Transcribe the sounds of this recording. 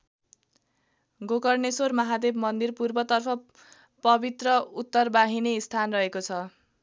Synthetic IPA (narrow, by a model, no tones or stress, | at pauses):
ɡokʌrnesormʌɦad̪ebmʌnd̪irpurbʌt̪ʌrpʰʌ | pʌbit̪rʌut̪ːʌrbaɦineist̪ʰanrʌɦekot͡sʰʌ